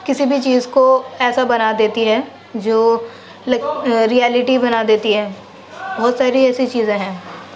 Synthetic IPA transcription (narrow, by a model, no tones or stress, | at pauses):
kɪsibʱit͡ʃiːzkoɛːsabɐnad̪eːt̪iɦɛː | d͡ʒoː | lɾiɛːlɪʈibɐnad̪eːt̪iɦɛː | bɔːt̪saːɾiɛːsit͡ʃiːzẽɦɛ̃ː